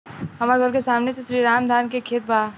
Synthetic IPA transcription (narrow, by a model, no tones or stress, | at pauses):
ɦɐmaːɾɡʱəɾkesaːmnesesɾiːɾaːmd̪ʱaːnkekʰeːt̪̚baː